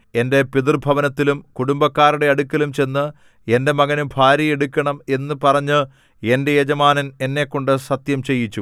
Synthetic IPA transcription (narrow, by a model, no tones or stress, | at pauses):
e̞nde̞piðirbʱɐʋɐnɐt̪ːilumkuɽumbɐkːaːɾuɽe̞ɐɽukːɐlumt͡ɕe̞nːɨ | e̞nde̞mɐɣɐnumbʱaːɾjɐjeɽukʲːɐɳɐme̞nːɨpɐrɐɲːɨ | e̞nde̞jed͡ʑɐmaːnɐne̞nːe̞kːo̞ɳɖɨsɐt̪jɐmt͡ɕe̞jːit͡ɕːu